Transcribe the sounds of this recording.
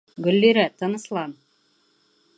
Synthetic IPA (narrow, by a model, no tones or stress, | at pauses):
ɡɵ̆lːeɾæt̪ɤ̆nɤ̆slˠɑn